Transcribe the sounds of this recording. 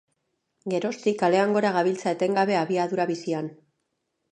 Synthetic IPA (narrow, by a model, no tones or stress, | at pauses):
ɡe̞ɾo̞st̪ikale̞aŋɡo̞ɾaɣ̞aβilt͡saet̪e̞ŋɡaβe̞aβiaðuɾaβisian